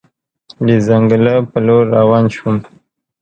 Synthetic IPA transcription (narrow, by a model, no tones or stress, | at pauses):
lizaŋɡəlapəloɾːawɑːnʃum